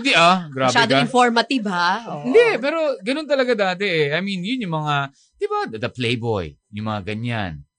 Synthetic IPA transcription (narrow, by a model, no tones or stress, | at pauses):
ɪnd̪iʔaɡɾmaːbʃaɛːd̪oɪnfoɹmɐt̪ibhaoɪnd̪ɛpɛːɾo̞ɡɐno̞nt̪ɐlɐɡad̪aːt̪ɛʔɛʔajminjʊnjʊŋmɐŋa | d̪̥ɪbad̪ɐd̪ɐplejbo̰jjʊŋmɐŋaɡɐɲa̰n